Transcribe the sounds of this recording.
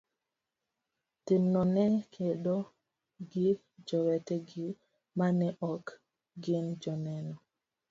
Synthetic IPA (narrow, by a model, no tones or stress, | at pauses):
tɪnːɔnɛkʰeɗo | ɡɪ | d͡ʒɔwɛtɛɡɪ | manɛʔɔk | ɡɪnd͡ʒɔnɛnɔ